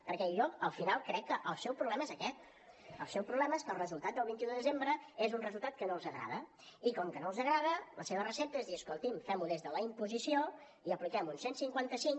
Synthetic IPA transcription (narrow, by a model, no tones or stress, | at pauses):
pəɾkɛʎɔkəlˠfinalˠkɾɛkːəʔəlˠsɛwpɾuβlɛməezəkɛt̪̚ | ə̰lˠsɛwpɾuβlɛməeskəlrəzulˠt̪at̪̚d̪əlˠβint̪iũðəðəzembɾəezunrəzulˠt̪at̪̚kənolˠzəɣɾa̰ðə | ikɔmkənolˠzəɣɾað̞ələseβərəsɛp̚t̪əzðiəskolˠt̪imfɛmuðezðələimpuzisio | iəplikɛmunsensiŋkwant̪əsiŋ